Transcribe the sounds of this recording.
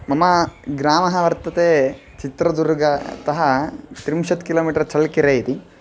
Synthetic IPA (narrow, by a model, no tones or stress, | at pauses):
mɐmɐɡɾaːmɐɦɐʋɐɾt̪ɐt̪eː | t͡ʃit̪ɾɐd̪uɾɡɐt̪ɐɦɐt̪ɾimʃɐt̪kiloːmiːʈɐɾɐt͡ʃɐɭkiɾeːjit̪i